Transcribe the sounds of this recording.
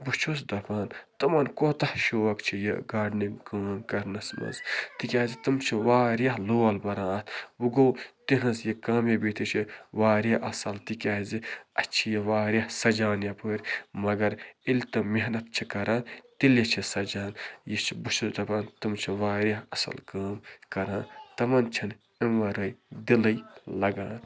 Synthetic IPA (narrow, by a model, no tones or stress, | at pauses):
but͡ʃʰusd̪ɐpaːnt̪ɐmɐnkoːt̪ɐhʃoːɐkt͡ʃʰijḛɡaːɖniɡaːnkɐɾnɐsmɐ̰zt̪ikʲaːzit̪ɨmt͡ʃʰiʋaːɾjɐɦloːɐlbɐɾãːɐt̪ʰwuɡoːt̪inɐzjikɐːmjɐbit̪ʰit͡ʃʰiʋaːɾjaʔɐsɐlt̪ikʲaːziɐt͡ʃʰijɐʋaːɾjɐhsɐd͡ʒaːnjɐpəːɾʲmɐɡɐɾilʲt̪ɐmeɦnɐt̪̚t͡ʃʰikɐɾãːt̪iljɐt͡ʃʰisɐd͡ʒaːnjit͡ʃʰibuʃult̪ɐpãːnt̪ɨmt͡ʃʰiʋaːɾʲjɐɦɐsɐ̰lkaːmkɐɾãːt̪ɐmɐnt͡ʃʰin | imʋɐɾɐjd̪ilɐjlɐɡaːn